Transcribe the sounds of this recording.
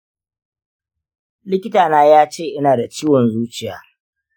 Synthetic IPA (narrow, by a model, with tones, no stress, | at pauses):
lɪ˦kʲɪ˦taː˨naː˦jaː˦t͡ʃeː˦˨ʔɪ˦naː˨da˨t͡ʃiː˦wɔ˨nzuː˦t͡ʃɪ˨ja̰ː˨